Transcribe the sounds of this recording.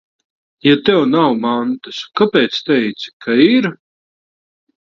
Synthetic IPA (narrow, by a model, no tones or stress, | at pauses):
jat̪ɛwnawmant̪ɨskapɛːt̪st̪ɛjt̪si̥kʰaiɾ